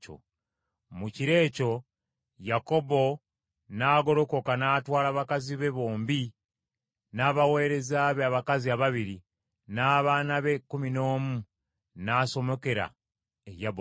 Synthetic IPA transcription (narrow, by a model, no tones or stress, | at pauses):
o̰ | muciɾe̞ːco̞ | jako̞bo̞ | naːɡo̞ɾo̞ko̞kanaːtwaːlaβakaziβe̞βo̞ːmbi | naːβawe̞ːɾe̞zaβeaβakaziaβaβiɾi | naːβaːnaβekumino̞ːmu | naːso̞mo̞ke̞ɾa̰ | ejabo